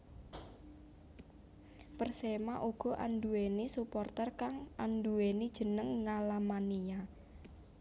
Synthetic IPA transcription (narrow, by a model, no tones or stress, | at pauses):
pərsemaʔuɡ̥ɔ̤ʔanduenisupɔrt̪ərkaŋʔanduwenid̥ʒ̥ə̤nəŋːalamanija